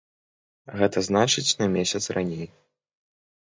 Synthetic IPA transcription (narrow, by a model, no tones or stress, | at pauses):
ɣɛt̪ɐznat͡ʂɨt͡sʲnɐmʲesʲɐt̪srʔanʲej